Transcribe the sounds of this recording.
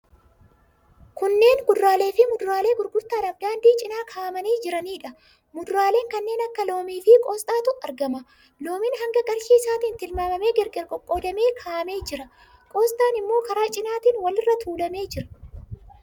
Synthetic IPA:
kʊnːe̞ːnɡʊd̪ɾaːle̞ːfɪmʊd̪ɾaːle̞ːɡʊɾɡʊɾt̪aːnɐfd̪aːnd̪iːt͡ʃʼɪnaːkʰaːmɐniːd͡ʒɪɾɐniːᶑɐ | mʊd̪ɾaːle̞ːŋkɐnːe̞ːnɐkːɐlo̞ːmiːfɪkʼoːst̪ʼaːt̪ʊʔɐɾɡɐmɐ | loːmɪnɦɐŋɡɐɡɐɾʃiːsaːt̪iːnt̪ɪlmaːmɐme̞ːɡɛɾɡɛɾkʼɔkʼːoːd̪ɐme̞ːkʰaːʔɐme̞ːd͡ʒɪɾɐ | kʼo̞ːst̪ʼaːnɪmːo̞ːkɐɾaːt͡ʃʼɪnaːt̪iːnwɐlɪrːɐt̪ʰuːlɐme̞ːd͡ʒɪɾɐ̥

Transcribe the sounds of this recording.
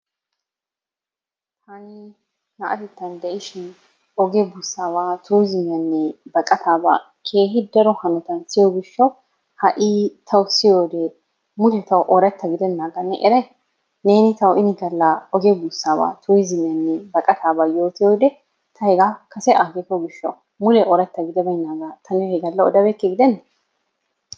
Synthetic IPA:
t̪ʰanɪ | nɐʔɐt̪ɛt̪ːɐnd̪ɛʔɪʃɪn | ɔɡebʊsːaːβaːt̪ʰuːjzɪmɐnːɛbɐkʼɐt̪aːba̰ː | kʰe̞ːɦɪd̪ɐɾɔhɐnɔt̪ɐnsɪjoɡɪʃːɐw | hɐʔiːt̪ʰɐwsɪjoːd̪ɛ | mʊlɛt̪ɐwʔɔɾɐt̪ːɐɡɪd̪ɛnːaːɡɐnːɛ̰ʔɛɾɐj | ne̞ːnɪt̪ɐwʔɪnɪɡɐlːɐɔɡebusːaːba̰ːt̪ʰuːjzɪmɪjɐnːɛbɐkʼɐt̪aːbaːjo̞ːt̪ɪjoːd̪ɛ | t̪ʰɐhɛɡaːkʰɐsɛʔaɡekːɔɡɪʃːɐ̰w | mʊlɛʔɔɾɐt̪ːɐɡɪd̪ɛbɐɪnːaːɡaːt̪ʰɐnɛhɛɡɐlːɐɔd̪ɐbekːɛɡɪd̪ɛnːɛ

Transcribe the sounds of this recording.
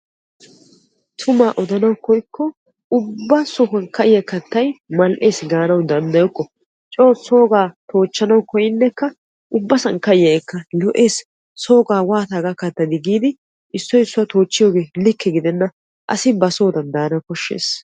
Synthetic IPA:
t̪ʰʊmaːʔɔd̪ɐnɐwkɔjkʰːɔ | ʊbːɐsʊɦɐnkɐʔɪjɐkːɐt̪ːɐjmɐlʔe̞ːsɡaːnɐwd̪ɐnd̪ɐjɔkːɔ | t͡ʃʼo̞ːso̞ːɡaːt̪ʰo̞ːt͡ʃːɐnɐwkɔjɪnːɛkːɐ | ʔʊbːɐsɐŋkɐɪjɐɛkːɐlɔʔe̞ːsː | o̞ːɡaːwaːt̪aːɡɐkːɐt̪ːɐd̪ɪɡiːd̪ɪ | ʔɪsːɔjɪsːʊwɐt̪o̞ːt͡ʃːɪjo̞ːɡe̞ːlɪkʰːɛɡɪd̪ɛnːɐ | ʔɐ̰sɪbɐsoːd̪ɐnd̪aːnɐwkɔʃːḛːs

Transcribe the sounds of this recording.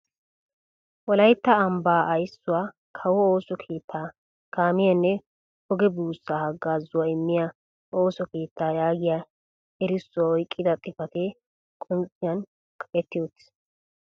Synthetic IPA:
wɔlɐjt̪ːɐːmbaːʔɐjsːʊwaː | kʰɐwɔoːsɔkʰe̞ːt̪ʰːaː | kaːmɪjɐnːɛ | ɔɡɛbuːsːaːhɐɡːaːzːʊwaɪmːɪja | oːsɔke̞ːt̪ːaːjaːɡɪja | ɛɾɪsːʊwaɔjkʼːɪd̪ɐt̪ʼɪfɐt̪ɛ | kʼʊntʼɪjɐn | kʰɐʔɛt̪ːɪjoːt̪ɪ̥

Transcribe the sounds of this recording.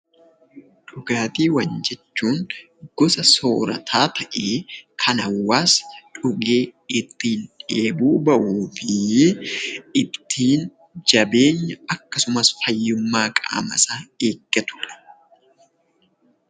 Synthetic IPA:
ᶑʊɡaːt̪iːwɐɲd͡ʒɛt͡ʃːuːn | ɡ̥ɔsɐso̞ːɾɐ̰t̪ʰaːt̪ʰɐʔe̞ːkʰɐnɐwːaːsᶑʊɡe̞ːɪt̪ːiːnᶑeːbuːbɐʔuːfɪ | ɪt̪ːiːn | d͡ʒɐbe̞ːɲːɐɐkːɐsʊmɐsfɐjːʊmːaːkʼa̰ːmɐ̰saːeːɡ̥ːɐt̪ʊ̥ᶑɐ̥

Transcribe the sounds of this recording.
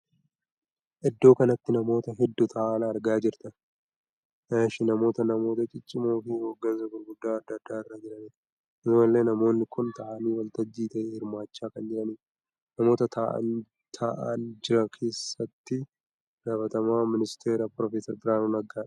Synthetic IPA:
ʔɪd̪ːo̞ːkɐnɐt̪ːɪnɐmo̞ːt̪ɐɦɛd̪ːʊt̪ʰɐʔːnɐːɾɡaːd͡ʒɪɾt̪ɐ | aʃɪnɐmo̞ːt̪ɐnɐmo̞ːt̪ɐt͡ʃʼɪt͡ʃʼːɪmo̞ːfɪhoːɡːɐnsɐɡʊɾɡʊd̪ːaːɐd̪ːɐːd̪ːaːɪrːad͡ʒɪɾɐniːɾ | ɪzmɐlːe̞ːnɐmo̞ːnːɪkʊnt̪ɐʔɐniːwɐlt̪ɐd͡ʒːiːt̪ɐʔɛːhɪɾmaːt͡ʃːaːkɐnd͡ʒɪɾɐniːɾ | nɐmo̞ːt̪ɐt̪ʰɐʔɐ̰n | t̪ʰaʔa̰nd͡ʒɪɾɐkʰe̞ːsːɐt̪ːɪ | ɡ̥aːfɐt̪ɐmaːmɪnɪst̪ʰeːɾapɾɔfeːsɐɾbɪɾaːnunɐɡaːᶑɐ̥

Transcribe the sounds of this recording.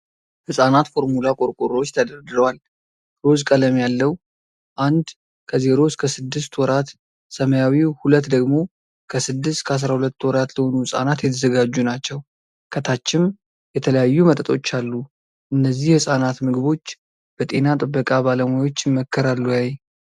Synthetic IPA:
hɨsʼanat̪fo̞ɾmulakʼo̞ɾkʼoɾot͡ʃːt̪ʰəd̪əɾd̪ɨɾəwal | ɾo̞zkʼələmjalːəwu | ʔand̪ | kʰəze̞ɾo̞skʰəsɨd̪ːɨst̪wɔɾat̪ | səməjawihulət̪ːd̪əɡmo̞ | kʰəsɨd̪ːɨst̪kʰəas̬ɾahulət̪ːwɔɾat̪ləho̞nuhɨsʼa̰nat̪jɛt̪ʰəzəɡad͡ʒːunat͡ʃːɛw | kʰət̪ʰat͡ʃːɪm | jɛt̪ʰələjajːumət̪ʼət̪ʼo̞t͡ʃːalːu | ʔɨnːəzːihhɨsʼanat̪mɨɡɨβo̞t͡ʃː | b̥ət̪ʼe̞nat̪ʼɨbːəkʼabaləmajo̞t͡ʃːɪmːəkʰːəɾalːujaj

